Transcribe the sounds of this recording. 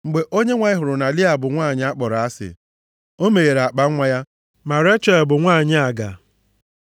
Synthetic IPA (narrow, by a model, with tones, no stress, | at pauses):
ŋ͡m̩˨ɡ͡be˨ʔo˦ɲe˦ŋʷa˨ɲɪ˦ɦʊ˨ɾʊ˨na˨lɪ˦a˨bʊ˨ŋʷaː˦˨ɲɪ˦a˦k͡pɔ˨ɾa˨a˦sɪ̰˨ | o˦me˨ɣe˨ɾa˨k͡pa˦ŋʷa˦ja˦ | ma˨ɾe˦t͡ʃɔ˦˨bʊ˨ŋʷaː˦˨ɲɪ˦a˨ɡa̰˨